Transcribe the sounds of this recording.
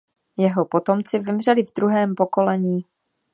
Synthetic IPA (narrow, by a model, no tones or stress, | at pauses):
jɛɦo̞po̞t̪o̞mt͡sɪvɪmr̝ɛlɪvd̪ɾuɦɛːmpo̞ko̞lɛɲiː